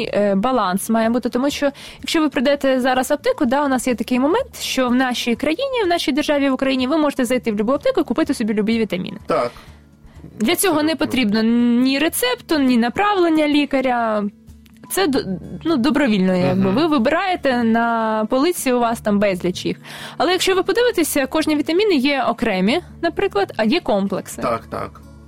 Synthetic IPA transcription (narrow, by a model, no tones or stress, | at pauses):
bɐlˠɑnsmɑjɛbut̪ɪt̪ɔmuʃt͡ʃɔ | jɐkʃt͡ʃɔʋɪpɾɪd̪ɛt̪ɛzɑɾɐzɐp̚t̪ɪkʊd̪ɑʊnɑsjɛt̪ɐkɪjmɔmɛnt̪ʃt͡ʃɔwnɑʃʲijkɾɐjinʲiwnɑʃʲijd̪erʒɑʋʲiʋʊkɾɐjinʲiʋɪmɔʒet̪ɛzɐjt̪ɪwlʲʊbuɐp̚t̪ɪkʊikʊpɪt̪ɪsɔbʲilʲʊbiʋʲit̪ɐmʲḭnɪt̪ | d̪lʲɐt͡sʲɔɦɔnɛpɔt̪ɾʲibnɔnʲiɾet̪sɛpt̪ʊnʲinɐpɾɑʋlˠenʲːɐlʲikɐɾʲɐ | t̪sɛnud̪ɔbɾɔʋʲilʲnɔjjɐɡ̚bɪʋɪʋɪbɪɾɑjet̪ɛnɐpɔlˠɪt͡sʲijʊʋɑst̪ɑmbɛzʲlʲɐt͡ʃḭxɐlˠɛjɐkʃt͡ʃɔʋɪpɔd̪ɪʋɪt̪esʲɐkɔʒnʲiʋʲit̪ɐmʲinɪjɛɔkɾɛmʲi | nɐpɾɪklˠɐd̪ɐjɛkɔmplˠeksɪta̰kt̪a̰k